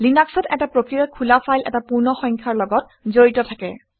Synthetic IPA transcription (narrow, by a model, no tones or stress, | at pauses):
linaksɔtɛ̰tapɹokɹiakʰulafʰajlɛ̰tapuɹnɔxɔŋkʰaɹlɔɡɔt̚ | zoɹitɔtʰakɛ̰